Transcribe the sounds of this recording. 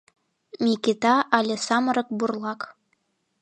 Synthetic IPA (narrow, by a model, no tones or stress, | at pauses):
mʲiket̪ɑʔɑlʲĕsɑməɾɤ̆k̚burlˠɑk